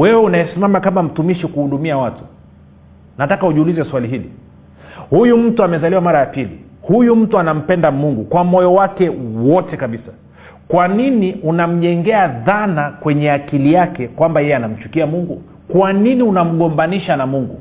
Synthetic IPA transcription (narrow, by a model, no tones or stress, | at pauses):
wɛwɛunaɛsimamakamam̩tumiʃikuhuɗumiawatu̥ | natakauʄiulizɛswaliɦilḭ | hujum̩tuamɛzaliwamaɾajapilḭ | hujum̩tuanam̩pɛndamuŋɡukwamɔjɔwakɛwɔtɛkaɓisḁ | kwaniniʔunam̩ʄɛŋɡɛaðanakwɛɲɛakilijakɛkwambajɛjɛanam̩t͡ʃu̥kiamuŋɡu | kwaniniunam̩ɠɔmbaniʃanamuŋɡṵ